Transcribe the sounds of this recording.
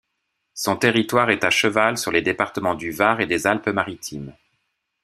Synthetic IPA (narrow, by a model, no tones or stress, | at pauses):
sɔ̃t̪eʁit̪waʁɛt̪aʃəvalsyʁled̪epaʁt̪əmɑ̃d̪yvaʁed̪ezalpəmaʁit̪ʰim